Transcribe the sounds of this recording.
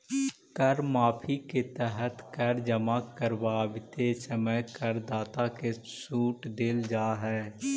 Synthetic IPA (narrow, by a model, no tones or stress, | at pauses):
kəɾmaːpʰiket̪ɛɦət̪kəɾd͡ʒəmakəɾbaːʋɪt̪esəməjkəɾd̪aːt̪akesuːʈd̪ɪld͡ʒaːɦɛː